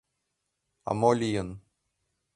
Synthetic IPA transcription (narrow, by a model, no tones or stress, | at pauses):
a̰molʲijɤn